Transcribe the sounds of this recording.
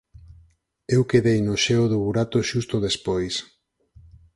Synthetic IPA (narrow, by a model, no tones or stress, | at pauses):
ewkeðejnoʃɛoðoβuɾat̪oʃust̪oðespojs